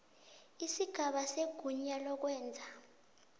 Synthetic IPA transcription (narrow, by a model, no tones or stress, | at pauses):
isiɡ̥ʱaɓaseɡ̥ʱuɲalɔk̬wɛːnd͡zʱa